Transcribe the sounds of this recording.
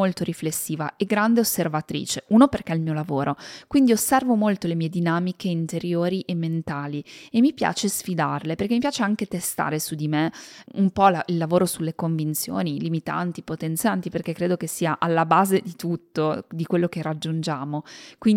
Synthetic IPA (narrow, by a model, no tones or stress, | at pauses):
olt̪oɾiflesːiːva̰eɡɾand̪eosːervat̪ɾḭːt͡ʃeuːnoperkeɛlmiolavoːɾʔokwind̪iosːɛrvomolt̪olemiːed̪inaːmikeint̪eɾjoːɾiʔemːent̪aːliemːipja̰ːt͡ʃesfid̪a̰rleperk̟emipjaːt͡ʃeaŋk̟et̪est̪a̰ːɾesud̪imeumpɔlailːavoːɾosulːekoɱvint̪sjo̰ːnilimit̪a̰nt̪ipot̪ent̪sjant̪iperkekːɾeːd̪okesːiːaʔalːabaːzed̪it̪ut̪ːod̪ikwelːokerad͡ʒːund͡ʒaːmokwin